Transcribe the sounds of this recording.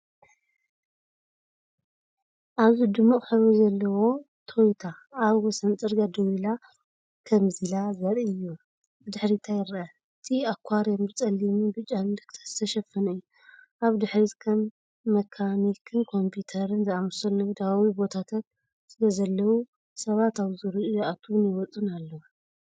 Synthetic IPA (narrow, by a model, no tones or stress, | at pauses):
ʔaβzid̪ɨmːuʔʼħɨβozɐlːɐwo̞ | t̪ʰo̞jt̪ʰaːβwɔsɐnt͡sʼɨɾɡad̪ɨwila | kʰɐmzilazɐɾɨjːu | d̪ɨħɾit̪ʰajɪɾʔa | ɨt̪ʰiakʷʰːaɾjambɨt͡sʼɐlːimubɨt͡ʃʼːalɨnd̪ɐkʰt̪ʰɐt̪ʰɐʃɐfɐnɨjːu | ʔaβd̪ɨħɾit̪kʰɐmː | ɐkʰanikʰɨnkʰo̞mpʰjut̪ʰɐɾɨnzɨamsɐlːɐwd̪awawibo̞t̪ʰat̪ʰat̪̚ | sɨlɐzɐlːɐwu | sɐβat̪aβzɨɾɨʔujaʔat̪ʰnjwɔt͡sʼɨnalːɐw